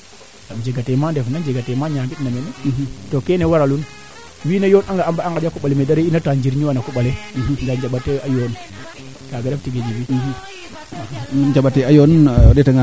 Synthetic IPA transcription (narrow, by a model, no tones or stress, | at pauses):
ɡamd͡ʒeɡatemandefnand͡ʒeɡatemaɲambitnamenetokenewaɾalun | winajonaŋɡaambaaŋɡad͡ʒakuɓalemedaɾeinatand͡ʒiɾɲiwanakuɓaleɡad͡ʒaɓatːeajon | kaɡaɾeftiɡed͡ʒibi | d͡ʒaɓateajondetaŋa